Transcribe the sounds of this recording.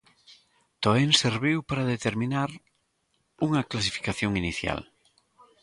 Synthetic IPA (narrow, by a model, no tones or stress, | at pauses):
t̪oenseɾβiwpaɾaðet̪eɾmĩnaɾ | uŋɐklasi̥fi̥kaθjoŋiniθja̰l